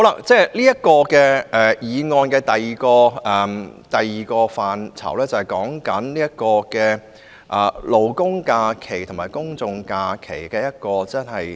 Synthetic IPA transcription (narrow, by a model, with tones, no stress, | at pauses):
ho˨˦wla̰˧˥t͡sɛː˥liː˥jɐ˥t̚kɔː˧kɛː˧ʔɛ˨˩jiː˨˧ŋɔː˧nkɛː˧t̪ɐ˨jiː˨kɔː˧ɛ˨t̪ɐ˨jːiː˨˩kɔː˧faː˨nt͡sʰɐ̰˨˩wlɛː˥t͡sɐ˨˧hɐ˨˩jkɔː˨˥ŋkɐ˨˥nliː˥jɐ˥t̚kɔː˧kɛː˧ | ʔɛ˨lo˨wkʊ˥ŋkaː˧kʰe˨˩jt̪ʰmaː˨˩jkʊ˥ŋt͡sʊ˧ŋkaː˧kʰe˨˩jkɛː˧jɐ˥t̚kɔː˧t͡sɐ˥nhɐ˨j